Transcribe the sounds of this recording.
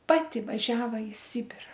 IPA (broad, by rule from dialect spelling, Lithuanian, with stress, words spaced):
ˈpɑːtʲɪ ʋɐˈʒʲæːʋɐ ɪ ˈsʲɪbʲɪrɐ